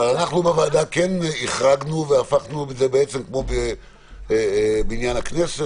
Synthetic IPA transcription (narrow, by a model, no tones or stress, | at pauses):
valanaχnubevaːd̪akeniχʁaɡnuveafaχnubezebeet͡semkmo̞be | binjanaknese